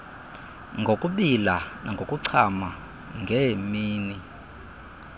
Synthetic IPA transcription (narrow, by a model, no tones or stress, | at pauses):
ŋɡʱokʼuɓilanʔaŋɡʱokʼuǀʰama | ŋɡʱɛmiːni